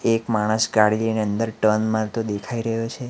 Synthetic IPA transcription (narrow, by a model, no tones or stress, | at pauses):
ekmaɽ̃əsɡaɽilineənd̪əɾʈənmãɾt̪od̪ekʰaiɾəɦjot͡ʃʰe